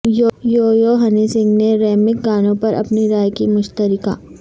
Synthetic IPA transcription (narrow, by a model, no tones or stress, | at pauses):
jojoːjoːɦɐnisɪ̃ŋɡneɾɛːmɪk̚ɡaːnõpɐɾʔɐ̰pniɾaːjkimʊʃt̪əɾɪka̰ː